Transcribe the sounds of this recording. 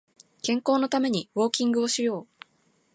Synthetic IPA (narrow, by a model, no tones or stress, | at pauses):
kẽ̞ŋko̞ːno̞t̪ame̞ɲ̟iβo̞ːkʲĩŋɡɯ̟o̞ɕijo̞ː